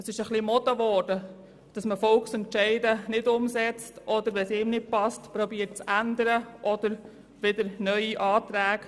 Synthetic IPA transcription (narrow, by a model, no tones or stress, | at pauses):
əsɪʃəχlimɔt̪əʋɔːɾd̥ə | d̥ɑsməfɔlksɛntʃɛɪdənɪdʊmsɛt͡stʔɔdəɾʋɛsɪːmnɪd̚pɑstpɾɔbiːəɾt̚t͡sænd̪əɾəʔɔd̥̪əɾ | ʋɪd̥əɾnœʏiʔɑːt̪ɾæːk